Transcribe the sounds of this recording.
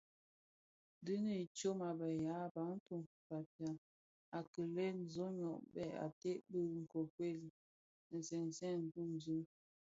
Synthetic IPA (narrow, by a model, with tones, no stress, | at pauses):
dɨ˦nə˦˨t͡ʃo˦ma˨bɛ˨ja˨˦ba˨˦n˦tu˦˨m | ka˨pja˨ | a˨kə˨lɛ˦n˨zo˦ɲɔ˨ʔbɛ˦˨a̰˨te˦ʔbə˦˨˦ŋ̩˨ko˨kwe˦˨l | n̩˨zɛ˨n˨zɛ˦˨n̩˨tu˦˨m˨zu˦